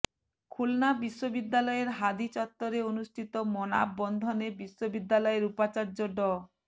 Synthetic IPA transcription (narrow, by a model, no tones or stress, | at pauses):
kʰulnabiʃːobid̪ːalɔeɾɦad̪it͡ɕɔt̪ːɔɾeonusʈʰit̪ɔmɔna̰bːɔnd̪ʱɔnebiʃobid̪ːalɔeɾupat͡ɕaɾd͡ʒoɖɔ